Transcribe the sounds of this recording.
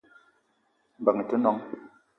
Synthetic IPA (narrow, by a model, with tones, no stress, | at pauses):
m̩˨ba˨ŋə˨tə˦nɔ˨˦ŋ